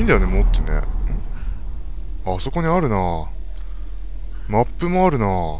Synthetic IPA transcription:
ĩːnd̪ajone̞mot̪ːenḛ | aso̞ko̞ɲ̟iaɾɯ̟na | mapːɯ̟mo̞aɾɯ̟naː

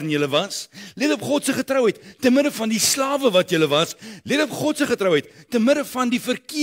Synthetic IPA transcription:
ənjələvɐsletopχɔtsəχətrəwɦɛjttːənmədəfɐndislɑːvəvɐtjələvɐsletopχɔtsəχətrəwɦɛjtːənmədəfɐndifərki

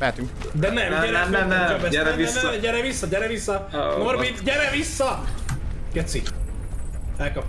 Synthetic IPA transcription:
ɛɛt̪y | d̪ɛnɛmɛɾɛømɛt̪ɛɛɛiɛɛɟɛɾɛvisːɒɟɛɾɛvisːɒnormit̪ɟɛɾɛvisːɒ | ɡ̥ɛt̪si | ɛlkɒp

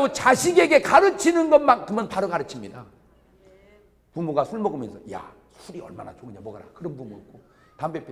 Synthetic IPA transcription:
ot͡ɕaɕʰiɡe̞ɡe̞kaɾɯt͡ɕʰinɯnɡʌnmakɯmʌnpaɾɯɡaɾɯt͡ɕʰimɲida | pumoɡasʰuɭmʌɡɯmjʌnsʰʌja̰ | sʰuɾiʌ̰ɭmana̰t͡ɕoɡɯɲamwʌɡaɾa̰kɯɾʌnpumuik͈o | tambepʰ

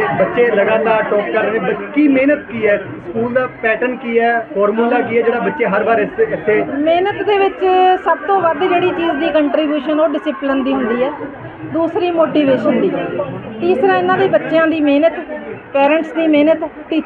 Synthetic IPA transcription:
bətːʃeːləɡaːt̪aːʈɔːkːəɾneːbəkiːmeːnət̪kiːɛː | skuːld̪aːpɛːʈənkiːɛːfʰɔːɾmuːlaːkiːɛːd͡ʒeːɽaːbətːʃeːɦəɾbaːɾɪsɪt̪ʰːeːmeːnət̪d̪eːʋɪt͡ʃsəb̚t̪õːʋəd̪d͡ʒeːɽiːt͡ʃiːd͡ʒd̪iːkəɳʈɾiːbjuːʃənoːɖɪsɪplənd̪iːɦʊ̃nd̪iːɦɛː | d̪uːsɾiːmoːʈiːʋeːʃɦʊnd̪iːɦɛː | t̪iːsɾãːɪnãːʋiːbətːʃjãːd̪iːmeːnət̪pɛːɾə̃ɳʈsd̪iːmeːnət̪ːiː

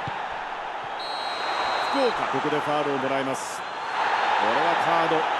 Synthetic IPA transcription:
skɯka̰t̪ekɯd̪ekaːɾɯːmoɾaimasɨ̥ | koɾeβakʰaːd̪o

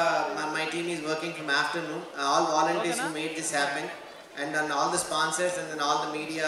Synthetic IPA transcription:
maɪʈĩːmɪzʋəɾkɪ̃ŋfɾɔ̃maːfʈəɾnũːnɔːlʋɔːlə̃ɳʈiːɾzhuːmeːɖ̚d̪ɪshæːpɛ̃ɳɖ | ʔɛ̃ɳɖɔ̃ːnɔːld̪əspɔ̃ːnsəɾsɛ̃nd̪ɛ̃nɔːld̪əmiːɖia

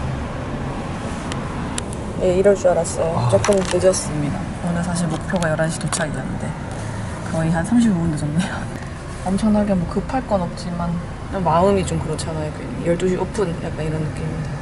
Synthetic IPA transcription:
je̞iɾʌɭt͡ɕ͈uaɾas͈ʌjot͡ɕ͈ʌp͈ʰɯnɯntɯd͡ʑʌs͈ɯmɲida̰ | onɯnsʰaɕ̬ʰiɭmok̚pʰjoɡajʌɾaɕʰi̥tot͡ɕʰaɡidenɯnde̞ | kʌiɦansʰamɕ̬ʰibuundɯd͡ʑʌmɲida | ʌmt͡ɕʰʌŋnɦaɡemwʌkɯpʰaɭk͈ʌnʌp̚t͡ɕ͈iman | ʌmaɯmit͡ɕomkɯɾʌt͡ɕʰanaɦeɡeijʌɭt͈oɕ̬ʰiʔopʰɯnja̰k͈̚aniɾʌnːɯk͈imiɲida

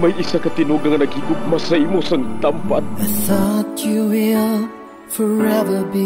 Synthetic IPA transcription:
majisakat̪ɪnoɡaŋɐnɐɡhiɡʊt̪̚masaimosaŋt̪ampat̪̚aθɔtuwɪlˠ | fɔɹɛvə˞bi

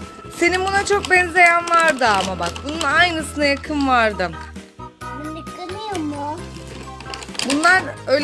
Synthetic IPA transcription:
se̞nimbunat͡ʃʰo̞k̚bɛnze̞jænvaɾd̪ɯamabak̚bununajnɯsɯnajakʰɯnvaɾd̪ɯ | miɯk̪ɯmɯjomʊ | bunlˠaɾø̞jl

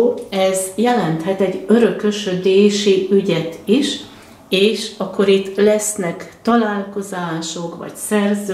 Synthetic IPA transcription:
ɛzjɛlɛnt̪hɛt̪ɛɟːøɾø̞køʃød̪eːʃiyɟɛt̪iʃ | eːʃɒkːo̞ɾit̪ːlɛsnɛkt̪ɒlaːlko̞zaːʃo̞kʋɒ̰csɛrzø

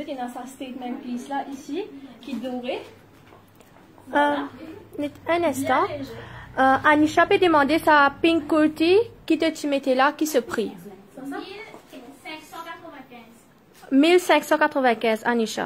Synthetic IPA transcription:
ɛt̪jãnasast̪et̪mɛ̃nplislaʔisikʲid̪ɔʁe | ɛ̃nɛ̃st̪ɑ̃ | øʔaniʃapɛd̪əmɑ̃d̪esapĩŋkult̪ikʲit̪ət̪imet̪elakʲisəpχi | kt̪ṽz | milsɛ̃ksɑ̃kat̪χəvɛ̃kʲɛ̃za̰niʃa̰

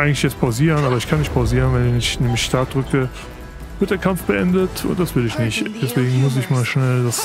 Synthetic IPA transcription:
ʔaɪɡŋ̩lɪçjɛt͡stpʰaʊziːʁənʔaːbɐɪçkʰanːɪçt̚pʰaʊziːʁənvɛnɪɪçnemlɪçʃtaɐt̚d̥ʁʏkə | v̥ɪɐt̚d̥eːɐkʰamfb̥əʔɛndətʰʊ̰ntd̥asv̥ɪlɪçnɪçtd̥ɛsv̥eːɡŋ̩mʊs̬ɪçmaːlʃnɛldas

